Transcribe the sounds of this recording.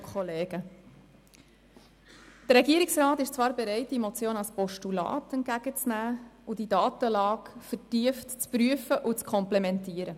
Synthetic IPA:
kʰχɔleːɡ̥ə | d̥ərɾɛɡiəɾiksɾɑːt̪ɪʃt͡svɑːɾbeɾɛɪt̚d̥imɔt͡sjoːnɑlspɔʃtulɑ̰ːtɛnt̚ɡ̥æɡ̥ət͡snæːud̥idɑːt̪əlɑːkfətiəftt͡spɾyəfəʔut͡skʰɔmplemɛntiːəɾə

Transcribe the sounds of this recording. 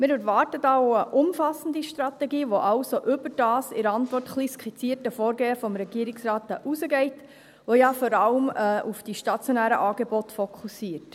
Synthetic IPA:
mɪːɾɛɾʋɑːɾtətɑwəʔʊmfɑsn̩diʃtɾɑt̪ɛɡiːʋoʔɑʊsoʔʏbəd̥ɑːsɪɾəɑntʋɔrtχliskʰit͡siəɾtəfoːɾɡɛːəfɔmɾɛɡ̥iəɾɪksɾɑːtʔusəɡɛɪt | ʋojɑfɔɾɑləmːufd̥iʃtɑt͡sjonæːɾə̰ʔɑːɡebɔtfɔkʰusiːət

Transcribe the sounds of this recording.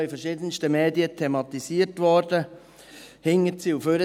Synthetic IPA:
ifərʃiːdənʃtəmeːdiətʰemɑt̪isiːəɾtʋɔːɾdə | hɪŋətsiuføɾə

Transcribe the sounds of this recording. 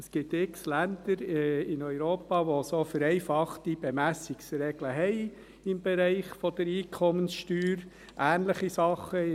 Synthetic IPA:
əsɡ̥ɪt̪ɪkslænd̪̥əɾɪnœʏɾoːpɑʋosofəɾɛɪfɑχtib̥ɛmæsiksɾɛɡ̥ləɦɛɪ | ɪmb̥ɛɾɛɪχfɔd̪̥əɾiːkʰɔmənsʃtyːɾ | ʔæːnləχisɑχːə

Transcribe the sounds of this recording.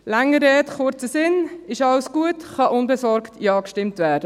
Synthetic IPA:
læŋːəɾɛːtχʊɾt͡səsɪnɪʃɑwsɡ̥uətχɑʔʊnbɛsɔɾktʰjɑːkʃtɪmtʋæːdə

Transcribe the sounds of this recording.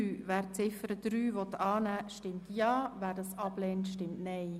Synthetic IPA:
yːʋæːɾt͡sɪfəɾəd̪̥ɾyːvɔt̪ɑːnæːʃtɪmtjɑːvæːɾdɑsɑb̥lɛːntʃtɪmtnɛɪ

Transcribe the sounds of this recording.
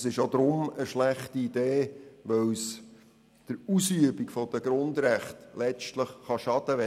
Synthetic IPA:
sɪʃjod̪ɾʊməʃlæχtiid̪eːʋœws | d̥əɾusyəbikfɔd̥̪əɡɾʊnd̪ɾæχtlɛt͡ʃtləχːɑʃɑd̥̪əʋɛ

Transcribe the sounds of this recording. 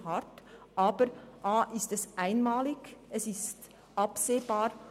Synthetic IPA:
hɑɾtʔɑːb̥əɾʔaːʔɪstɛsʔaɪnmaːlɪɡ̥ɛsɪst | ʔɑpseːbaːɾ

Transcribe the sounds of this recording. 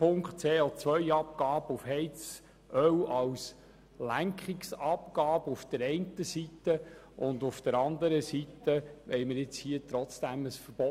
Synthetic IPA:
pʊŋkχtt͡seːɔt͡sʋœjɑp̚kɑːb̥əufhɛjt͡s | ʔœwɑws | læŋkχiksɑpɡ̥ɑːbufd̪̥əɾɛɪntəsit̪ːə | ʔʊndʊfd̥əɾɑnd̪əɾəsitːəʋɛɪməɾɪt͡shiət̪ɾɔt͡sd̥æməsfəɾb̥ɔ

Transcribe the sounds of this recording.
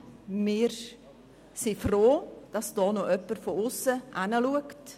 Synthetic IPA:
mɪːɾ | sifroːd̥ɑsd̥ɑːnoʔœpːəɾfoʊsːəʔanəluəkt

